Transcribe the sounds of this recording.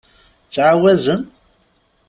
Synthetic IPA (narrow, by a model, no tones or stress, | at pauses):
t͡sːʕawæzən